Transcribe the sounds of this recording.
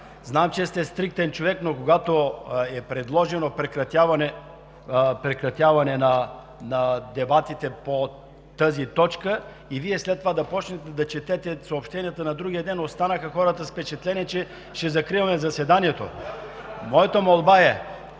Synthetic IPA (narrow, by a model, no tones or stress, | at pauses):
znamt͡ʃɛst̪ɛst̪ɾik̚t̪ɛnt͡ʃovɛknokoɡat̪oɛpɾɛd̪lˠɔʒɛnopɾɛkɾɐt̪avɐnɛ | pɾɛkɾɐt̪ʲjavɐnɛnɐ | nɐd̪ɛbat̪it̪ɛpo | t̪əzit̪ɔt͡ʃkə | iviɛslɛt̪ːovad̪ɐpɔt͡ʃnɛt̪ɛd̪ɐt͡ʃɛt̪ɛt̪ɛsɐopʃt̪ɛnijɐt̪ənɐd̪ɾuɡʲijəd̪ɛnost̪anəxəxɔɾət̪əspɛt͡ʃɛt̪lɛniɛt͡ʃɛ | ʃɛzɐkɾivɐmɛzɐsɛd̪aniɛt̪o | mɔjɛt̪omolˠbaɛ